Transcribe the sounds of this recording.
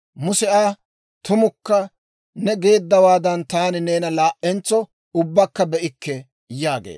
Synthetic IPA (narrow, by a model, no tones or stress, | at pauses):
mʊsɛʔaː | t̪ʊmʊkːɐ | nɛɡe̞ːd̪ːɐwaːd̪ɐnt̪aːnɪneːnɐlaːʔɛnt͡sːɔ | ʊbːɐkːɐbɛʔɪkːɛ | jaːɡḛː